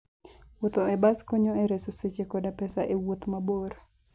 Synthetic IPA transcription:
wot̪oɛbaskoɲoeɾesoset͡ʃekodapɛsaʔewot̪maboɾ

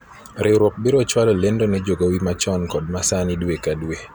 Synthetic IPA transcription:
ɾʔɪwɾwɔk̚bɪɾɔt͡ʃwalɔlendonɛd͡ʒoɡowimat͡ʃɔnkɔd̚masanidwekadwe

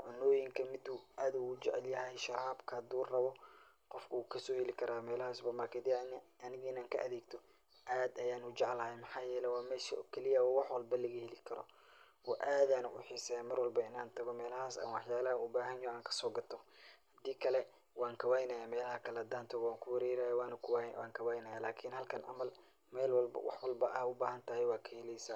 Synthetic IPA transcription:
ʕʊnːɔːjɪŋkʰɐmɪd̪uʔaːd̪uʊd͡ʒɛ̰ʕljɐɦɛjʃɐɾaːbkʰɐhɐd̪uːrɐβɔ | qɔfkʰʊuːkʰɐsɔːhɛlɪkʰɐɾaːmɛːlɐhaːsbɐmɐkʰɐd̪inɐnɪɣɐɪnaːŋkʰɐ̰ʔɐðɛːɡt̪ʰɔ | ʔaːd̪ɐjaːnut͡ʃɛʕlɐhɛjmɑħɑːjɛːlɛwɑːmɛːʃḭkʰɛlɪjɐwwɑħwɑlbɐlɐɣɐhɛlɪkʰɐɾɔ̰ | ʔɔ̰ːʔaːd̪aːnʊʔʊ̰ħɪsɛmɐrwɐlbɐɪnaːnt̪ʰɐɣɔmɛːlɐɦaːsɐ̰nwɑħjaːlɐhɐʊbaːɦɐnjɔːaːŋkʰɐ̥sɔːɡɐt̪ʰɔhɐd̪iːkʰɐlɛ | wɑːŋkʰɐwaːjnɐjaːmɛːlɐhɐkʰɐlɐd̪aːnt̪ʰɔɣwaːŋkʰʊwɛɾɛːɾajawaːnkʰʊwwa̰ːŋkʰɐwaːjnɐjaːlaːkʰiːnhɐlkʰɐnʔɐ̰mɐl | mɛːlwɐlbɐ̰wʔɑ̰ħwɐlbɐʔɐʊbaːhɐnt̪ʰɐhɛjwaːkʰɐhɛlɛjsaː

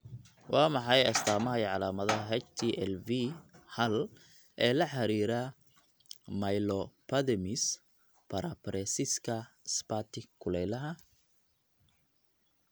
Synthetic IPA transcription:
wʔɑːmɑħɑjɐst̪ʰaːmɐɦɛjʕɑlaːmɐðɐɦɛt͡ʃt̪ʰiːʔɛlvihɐl | ʔɛːlɐħɑɾiːɾa | mɐjlɔpʰɐðɛmɪs | pʰɐɾɐpɾɛsɪskʰɐspat̪ʰɪkʰːʊlɛjlɐɦɐ

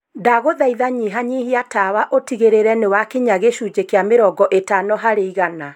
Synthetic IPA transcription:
daɣoðaiðaɲiɦaɲihiatawaʔotiɣeɾeɾɛnewakeɲaɣeʃuːd͡ʒekeameɾɔɡɔʔetanɔɦaɾeiɣana

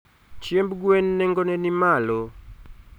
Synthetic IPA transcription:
t͡ʃjembɡwenːɛŋɡonɛnimalo

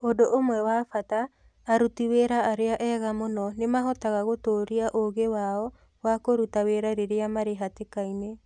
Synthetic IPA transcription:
odoʔomwɛwaːfataː | ɾutiweɾaːɾeaʔɛɣamonɔnemaɦɔtaɣaɣotoːɾiaʔoɣewaɔ | wakoɾutaweːɾaɾeɾeamaɾeɦatekaine

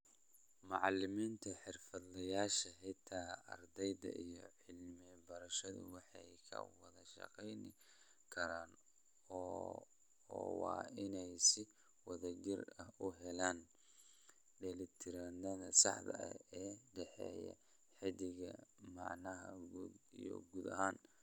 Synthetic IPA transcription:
mɑʕɑlɪmiːnt̪ʰɐħɪrfɐd̪lɐjaːʃɐħɪt̪ʰaːɐ̰rd̪ɛjd̪ɐ̰ʔijɔʕɪlmɛbɐɾɐʃɐðʊ̰wɑħɑjkʰɐ̰wɑðɐʃɑ̰qɛjnɪ | kʰɐɾaːn | ɔ | wɑ̰ːɪnɛjsɪ | wɐðɐɡɪrɐhʊɦɛlaːn | ɖɛlɪt̪ʰɪɾand̪ɐðɐsɑħd̪ɐʔɐ̰ɛːɖɛħɛ̰ːjɐ̰ | ħɪðɪɣɐmɑʕnɐɦɐɡijɔ̰ɡuːd̪ɐ̰ɦaːn

